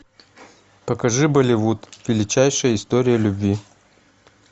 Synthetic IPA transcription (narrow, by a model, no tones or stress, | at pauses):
pɐkɐʐɨbəlʲɪvut̪vʲɪlʲɪt͡ɕæjʂəjəɪst̪oɾʲɪjəlʲʊbvʲi